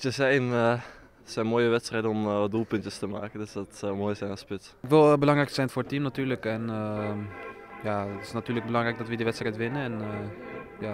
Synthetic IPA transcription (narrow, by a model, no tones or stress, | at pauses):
təsɛjnə | sɛjnmoːjəʋɛtstrɛjdənɔmɔdulˠpʏntəstəma̰ːkəndøsdɔtsɔwmoːjəsɛjnaspɪt | kʋɪlˠbəlɑŋrɛjksɛjnfoːɹətimnatyːɹləkɛnə | jaːətɪ̥snatyːləɡ̚bəlɑŋrɛjk̚dɔtʋədəʋɛtstrɛjtʋɪnəɛn | jaː